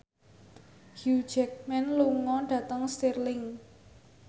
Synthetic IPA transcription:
hu̥d͡ʒɛk̚mɛnluŋɔɖ̥ä̤t̪əŋst̪irlɪŋ

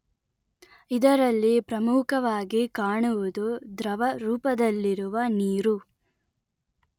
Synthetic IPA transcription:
id̪ɐɾɐlːipɾɐmukɐʋaːɡikaːɳuʋud̪ud̪ɾɐʋɐɾuːpɐd̪ɐlːiɾuʋɐniːɾu

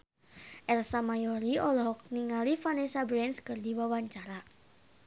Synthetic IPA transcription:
ʔɛrlsamajoɾiɔlɔɦɔk̚niŋalifanesabɾɛnskərdiwawaɲt͡ʃaɾa

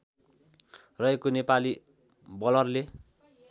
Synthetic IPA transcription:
rʌɦekonepali | bʌlʌrle

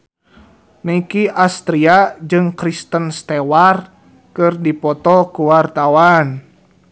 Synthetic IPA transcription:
nəikiʔast̪ɾiad͡ʒɨŋkɾist̪ənst̪ɛwar | kɨrdipɔt̪ɔkuwart̪awan

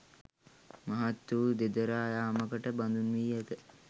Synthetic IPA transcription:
mɐɦat̪ːuʋud̪ed̪əɾaːjaːməkəʈəband̪unʋiːɛt̪ə

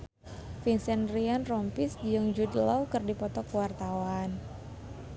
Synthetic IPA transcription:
finsɛnrianrɔmpisdiəŋd͡ʒudəlɔwkərdipɔt̪ɔkəwart̪awan

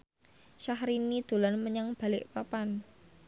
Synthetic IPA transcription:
ʃahɾinid̪̥o̤lanməɲaŋb̥a̤lɪʔpapan

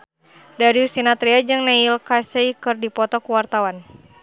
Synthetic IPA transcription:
daɾiusinat̪ɾiad͡ʒɨŋnailkaseikɨrdipɔt̪ɔkuwart̪awan

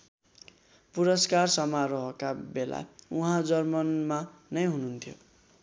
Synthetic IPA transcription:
puɾʌskarsʌmaɾʌɦʌkabela̰uɦãd͡zʌrmʌnmanʌjɦununt̪ʰjo̰

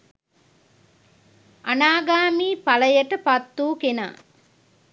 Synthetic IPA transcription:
ɐnaːɡaːmiːpɐlɐjɐʈɐpɐt̪ːuːkena̰ː

